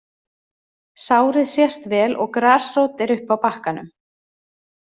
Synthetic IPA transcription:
saːwɾɪðsjɛst̪vɛːlʔɔɣkɾaːsroːwt̪ɛɾʏhpawpahkanʏ̰m

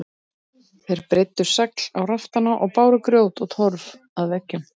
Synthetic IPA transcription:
θejɾpɾɪjt̪ːʏɾ̥saklawraft̪anaʔɔɣpaːwɾʏkɾjoːwt̪ɔɣt̪ʰɔɾv | aðvɛcːʏm

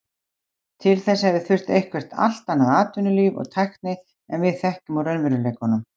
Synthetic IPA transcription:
t̪ʰɪlθɛsːaɛvðɪθʏr̥t̪ejhkvɛr̥t̪a̰l̥t̪anːaðaːt̪ʏnʏlyːvɔ̰ɣt̪ʰajhkt̪nɪ | ɛnvɪðθɛhcʏmawɾœnvɛɾʏlejkɔnːʏm

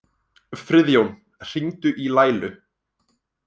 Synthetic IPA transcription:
fɾɪðjown | r̥int̪ʏʔilaːjlʏ

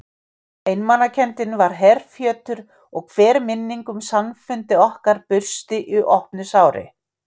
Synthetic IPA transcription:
ejnmanacʰɛnt̪ɪnvaɾ̥ɦɛrfjœːt̪ʏɾ | ɔɣkʰv̥ɛːɾmɪnːiŋkʏmsamfʏnt̪ɪɔhkaɾpʏr̥st̪ɪʔɪʔɔhpnʏsaːwɾɪ̰

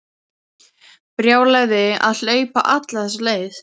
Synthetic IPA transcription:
pɾjaːwlajɣðɪa̰ðl̥œːɥpa̰ʔat̪laθɛsaleːjθ

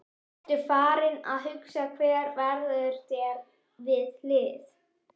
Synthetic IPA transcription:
t̪ɪ̥faːɾɪna̰ðɦʏksakʰvɛːɾvɛɾðaʏðʏɾ̥t̪ɛːɾ | vɪðlɪːðɪ̰θ

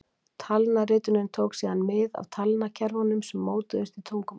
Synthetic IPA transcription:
t̪ʰalnarɪːt̪ʏnɪnt̪ʰoːwksiːðanmɪða̰vt̪ʰalnacʰɛɾvɔnʏmsɛmːoːwt̪ɪðʏst̪it̪ʰowŋkʏm

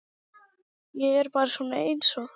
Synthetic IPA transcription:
jɛɛɾpaːɾsunaejnsɔ

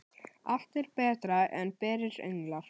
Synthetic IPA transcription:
aft̪ɪɾ̥pɛːt̪ɾaʔɛnpɛːɾɪɾḛɥŋlaɾ̥

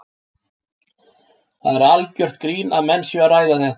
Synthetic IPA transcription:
θaðɛɾalcœr̥t̪kɾiːnaðmɛnːsjœaraːjðaθɛht̪

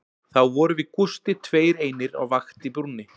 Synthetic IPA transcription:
θawvɔɾʏvɪðkust̪ɪt̪ʰveːjɾeːjnɪɾa̰wvaxt̪ipɾunɪ

